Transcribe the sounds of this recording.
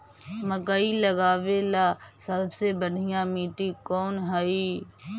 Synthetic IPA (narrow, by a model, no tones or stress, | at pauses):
məkailəɡaːʋelasəlbʱsebəɽʱɪjãmiːʈikɔːnɦəiː